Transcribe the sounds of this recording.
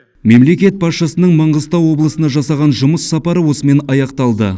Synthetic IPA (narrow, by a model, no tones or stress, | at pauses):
me̞mle̞kʲe̞t̪̚pʰɑt̪ʃɑsənəɴmɑɴʁəzt̪ɑwwo̞blˠəsənɑʒɑsɑʁɑnʒʊməsːɑpɑɾəwo̞səme̞nɑjɑqt̪ɑlˠd̪ə